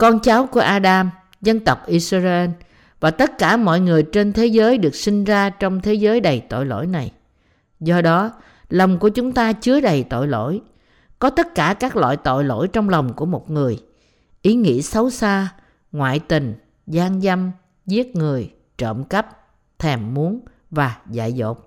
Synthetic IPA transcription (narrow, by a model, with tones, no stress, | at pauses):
kɔ˧nt͡ɕaː˨˦wku˧˩əʔaː˧ɗaː˧m | zə˧nt̪ə˨˩wk͡p̚ʔi˧szʔe˧n | vaː˨˩t̪ə˦˥t̚kaː˧˩mɔ̰˧˨jŋɨ˨˩əjt͡ɕe˧nt̪ʰe˨˦zəː˨˦jɗɨ˨˩ək̚sï˧ŋ̟zaː˧t͡ɕɔ˧wŋ͡mt̪ʰe˨˦zəː˨˦jɗə˨˩jt̪o̰˧˨jlo̰˧˥˨jna˨˩j | zɔ˧ɗɔ˨˦ | lə˨˩wŋ͡mku˧˩ət͡ɕʊ˨˦ŋ͡mt̪aː˧t͡ɕɨ˨˦əɗə˨˩jt̪o̰˧˨jlo̰˧˥˨j | kɔ˨˦t̪ə˦˥t̚kaː˧˩kaː˦˥k̚lwa̰ː˧˨jt̪o̰˧˨jlo̰˧˥jt͡ɕɔ˧wŋ͡mla˨˩wŋ͡mku˧˩əmo˨˩t̚ŋɨ˨˩əj | ʔi˨˦ŋḭ˧˥sə˨˦wsaː˧ | ŋwa̰ː˧˨jt̪ï˨˩ŋ̟ | zaː˧ŋza˧m | zi˦˥ət̚ŋɨ˨˩əj | t͡ɕə̰ː˧˨mkə˦˥p̚ | t̪ʰɛ˨˩mːu˨˦n | vaː˨˩za̰ː˧˨jzo̰˧˩t̚